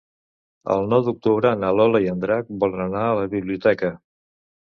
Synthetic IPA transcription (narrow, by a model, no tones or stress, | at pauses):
ə̰lˠnɔwðuk̚t̪uβɾənalɔləiənd̪ɾak̚bɔlˠnanaələβiβliut̪ɛkə